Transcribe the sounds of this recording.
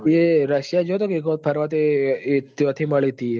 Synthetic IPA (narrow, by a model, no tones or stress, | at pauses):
eɾəʃjad͡ʒot̪okikopʰɐɾʋat̪et̪jɔt̪ʰiməɭit̪i